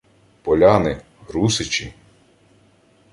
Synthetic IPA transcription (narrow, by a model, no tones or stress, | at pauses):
pɔlʲanɪ | ɾusɪt͡ʃi